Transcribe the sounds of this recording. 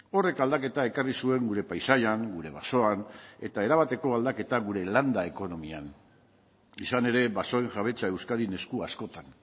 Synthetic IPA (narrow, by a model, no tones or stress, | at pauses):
o̞re̞kald̪ake̞t̪ae̞karisue̞ŋɡuɾe̞pajsajaŋɡuɾe̞βaso̞ane̞t̪ae̞ɾaβ̞at̪e̞ko̞ald̪ake̞t̪aɣuɾe̞land̪ae̞ko̞no̞mia̰n | isane̞ɾe̞βaso̞e̞ŋʝaβe̞t͡sae̞wskaðine̞skuasko̞t̪an